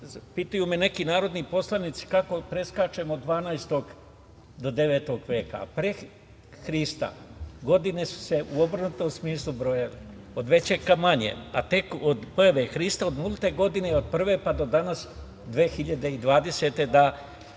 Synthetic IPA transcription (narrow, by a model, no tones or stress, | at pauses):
pit̪ujumene̞kinaːɾo̞d̪nipo̞slˠanit̪si̥kako̞pɾe̞skaːt͡ʃe̞mod̪ːʋaːnajst̪o̞ɡ | d̪o̞d̪e̞ʋe̞ːt̪o̞ɡʋje̞ːka̰pɾe | xɾist̪a̰ɡo̞d̪ine̞su̥se̞ʔuo̞bɾnut̪omsmiːslˠubɾo̞jale | od̪ʋet͡ɕekamaɲḛat̪e̞kod̪pojaʋexɾist̪aod̪mulˠut̪e̞ɡo̞d̪ineod̪̚pr̩ʋe̞pad̪o̞d̪anas | d̪ʋeːxiʎad̪e̞id̪ʋaːd̪e̞se̞t̪e̞d̪a